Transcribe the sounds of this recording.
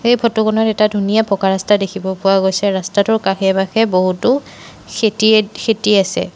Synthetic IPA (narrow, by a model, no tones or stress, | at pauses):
ejpʰɔtuɡɔnɔtɛtadʱunijapɔkaɹastadekʰibɔpʊwaɡojsɛɹastatʊɹkaxɛbaxɛboɦutʊ | xetixʰetiasɛ̰